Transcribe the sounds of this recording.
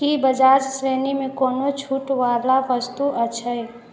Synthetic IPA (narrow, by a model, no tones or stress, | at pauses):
ibəd͡ʒaːd͡ʒsɾeːnimẽkoːnot͡ʃʰuːʈʋaːlaʋəst̪uʔət͡ʃʰəe